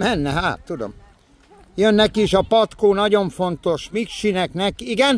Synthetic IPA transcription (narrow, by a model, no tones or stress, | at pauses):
mɛnːɛɦaːt̪ːud̪o̞̰m | jønːɛkiːʃɒpɒt̪koːnɒɟo̞ɱfo̞nt̪o̞ʃmikʃinɛknɛkiɡɛn